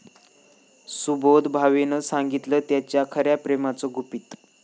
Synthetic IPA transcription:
subod̪bʱaʋenəsaŋɡit̪lət̪jat͡ɕjakʰəɾjapɾemat͡soɡupiːt̪

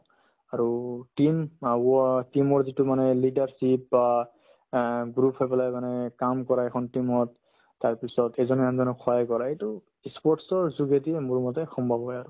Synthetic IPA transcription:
aɹutimaɔtimɔɹzitumanɛlidaɹsip̚ba | ɡɹupʰhɔpɛlajmanɛkamkɔɹaɛkʰɔntimɔtː | aɹpisɔtɛzɔnɛamzɔnɔkʰɔakɔɹaejtu | ispɔɹʈsɔɹzuɡetiɛmuɹumɔtɛxɔmbʱabɦɔjaɹu

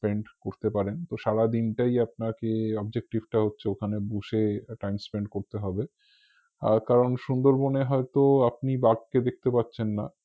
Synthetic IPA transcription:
speɳɖkoɾt̪epaɾent̪oʃaɾad̪inʈajap̚nakeɔb̚d͡ʑek̚ʈibʈaɦotːɕʰeokʰanebuʃeʈajmspeɳɖkoɾt̪eɦɔbe | kaɾonʃund̪oɾboneɦɔet̪oap̚nibaɡ̚ked̪ek̚ʰt̪epatːɕʰenːa

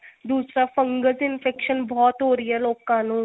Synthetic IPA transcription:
d̪uːsɾaːfə̃ŋɡəzɪnfʰɛːkʃənbɔːt̪ɦoːɾəiɛloːkãːnũː

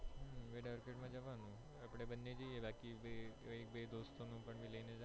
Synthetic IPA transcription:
ɦʋeɖaʋɾkeʈmãd͡ʒəʋanũ | apɽ̃ebənːed͡ʒijebakiʋeek̚bed̪ost̪onũpəɳʋiləined͡ʒ

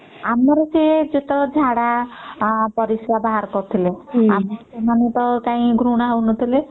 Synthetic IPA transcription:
amɔɾɔseed͡ʒet̪ɔd͡ʒʱaɽa | pɔɾisɾabaɦaɾkɔɾt̪ʰileamɔsemanet̪ɔkãĩɡɾuɽ̃aɦəwnɔt̪ʰile

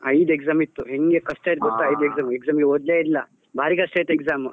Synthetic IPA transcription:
ɐjd̪eksaːmit̪ːuɦeŋɡekɐsʈajt̪̚ɡot̪ːaɐjd̪ekzaːmekzaːmɡeod̪ljailːɐ | bʱaːɾiːkɐsʈajt̪ːekzaːm

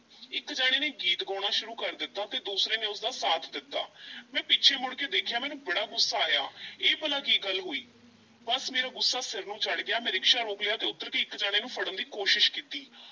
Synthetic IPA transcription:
ɪkd͡ʒaːɽ̃eːneːɡiːt̪ɡɔːɽ̃aːʃʊɾuːkəɾd̪ɪt̪ːaːt̪eːd̪uːsɾẽːneːʊsd̪aːsaːt̪ʰd̪ɪt̪ːa̰ːmɛ̃ːpɪːt͡ʃʰeːmʊɽkeːd̪eːkʰjaːmɛːnũːbəɽaːɡʊsːaːaːja̰ːeːpəlaːkiːɡəlːɦoːiː | bəsmeːɾaːɡʊsːaːsɪɾnũːt͡ʃəɽɡɪjaːmɛ̃ːɾɪkʃaːɾoːkleaːt̪eːʊt̪ːəɾkeːɪkːd͡ʒaːɽeːnũːpʰəɽənd̪iːkoːʃɪʃkiːt̪iː

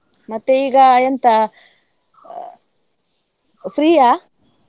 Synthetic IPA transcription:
mat̪eiɡajant̪a | fɾia

